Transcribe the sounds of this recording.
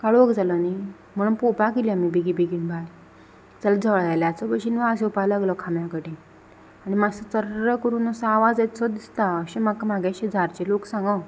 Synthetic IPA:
kaɭoəkd͡zalɔni | m̤əɽ̃uːnpopakiliamibiɡibiɡiɳbʱal | d͡zald͡zʱəʋɭjaljat͡sɔbəɕinʋaəsẽupajlaɡlɔkʰamjakəʈẽ | añimasət͡səɾɾəkəɾuːnəsə̃aʋad͡zɛt͡sɔd̪ist̪aəɕẽmakamaɡaɕẽd͡zʱaɾt͡ɕeloksãŋɡɔ

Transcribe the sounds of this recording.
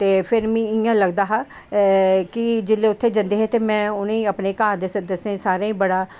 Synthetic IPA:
t̪eːpʰɪɾmĩːɪjãːləɡd̪aːɦaː | kɪd͡ʒɪlːeːʊt̪ʰːeːd͡ʒə̃nd̪eːɦɛːt̪eːmɛ̃ːʊneĩːəpneːkaːɾd̪eːsəd̪əsẽːsaːɾãːĩːbəɽaː

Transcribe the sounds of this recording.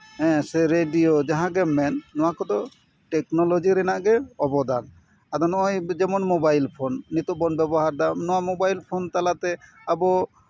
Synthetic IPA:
ɛ̃sɛɾeɖijod͡ʒaɦãɡɛmɛnːɔwakɔd̪ɔ | ʈɛknɔlod͡ʒiɾɛnaʔɡɛɔbɔd̪an | ad̪ɔnɔjd͡ʒɛmɔnmobajlpʰonːit̪ubɔnbɛbɔɦaɾd̪amnɔwamobajlpʰɔnt̪alat̪ɛ | abɔ

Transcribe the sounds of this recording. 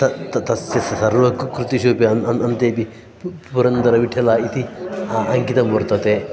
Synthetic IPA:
tɐt̪ɐt̪ɐsjɐsɐsɐɾʋɐkukɾut̪iʃoːpiɐnɐnɐnt̪eːpi | puɾɐnd̪ɐɾɐʋiʈʰːɐlaːit̪iɐŋkit̪ɐmbɐɾt̪ɐt̪e

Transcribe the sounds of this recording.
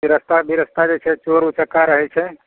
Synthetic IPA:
biɾəst̪ʰabʱiɾəst̪ad͡ʒet͡ʃʰɛt͡ʃoɾut͡ʃəkaɾəɦɛt͡ʃʰɛ

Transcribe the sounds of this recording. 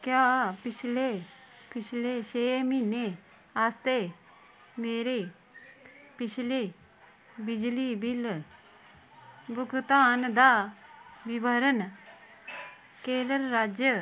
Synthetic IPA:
kjaːpɪt͡ʃʰleː | pɪt͡ʃʰleːʃeːmine | aːst̪eː | meːɾeː | pɪt͡ʃʰleː | bɪd͡ʒlibɪl | bʊkt̪aːnd̪aːʋɪbəɾən | keːləɾːaːd͡ʒjə

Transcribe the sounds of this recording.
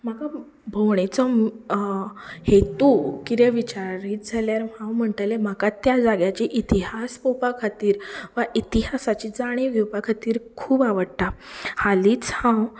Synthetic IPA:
maka | bʱowɳ̃et͡sɔ | het̪ukid̪eʋit͡ɕaɾiːt̪̚d͡zʱaljaɾɦãwm̤əɳʈ̪alem̤akat̪jad͡zaɡjat͡ɕiʔit̪iɦaspopakʰat̪iːɾʋaʔit̪iɦasat͡ɕid͡zaɽ̃ĩʋjupakʰat̪iːɾkʰuːbaʋəɽt̪ahaliːt͡shã

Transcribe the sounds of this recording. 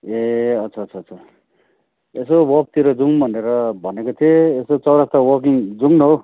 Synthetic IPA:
eʌtt͡sʰat͡sʰat͡sʰʌ | esowʌk̚t̪iɾʌd͡zuŋbʱʌneɾʌbʱʌnekot̪ʰieesot͡sʌwɾast̪awʌk̬iŋd͡zuŋnɦo

